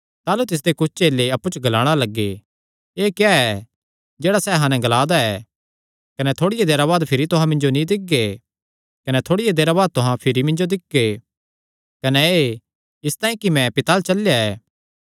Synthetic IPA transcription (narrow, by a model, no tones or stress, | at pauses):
t̪aːlut̪ɪs̬d̪ekʊt͡ʃʰt͡ʃeːlːeɐpːut͡ʃɡɐlaːɽ̃alɐɡːe | eːkjaɛ | d͡ʒeːɽasɛɦãːnɛ̃ɡɐlaːd̪aɛː | kɐnɛt̪ʰoːɽɪjed̪eːɾaβaːd̪pʰɪɾit̪ʊɦãmɪ̃nd͡ʒonĩd̪ɪɡe | kɐnɛt̪ʰoːɽɪjed̪eːɾaβaːd̪̚t̪ʊɦãpʰɪɾimɪ̃nd͡ʒod̪ɪkːe | kɐnɛe | ɪst̪aːĩkimɛ̃pɪt̪aːlt͡ʃɐljaɛː